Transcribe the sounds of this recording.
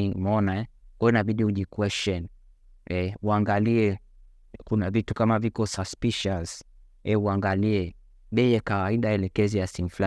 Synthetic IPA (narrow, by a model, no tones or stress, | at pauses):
imɔnaɛkɔɔnaɓiɗiuʄikwɛst͡ʃɔn | ɛuaŋɡaliɛ | kunavitukamavikɔsaspiʃas | ɛuaŋɡaliɛ | ɓɛjɛkawaiɗaɛlɛkɛzijasiŋufla